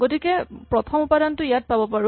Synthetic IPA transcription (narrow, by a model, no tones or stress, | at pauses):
ɡotikɛpɹɔtʰɔmupadantʊijat̚pabɔpaɹʊ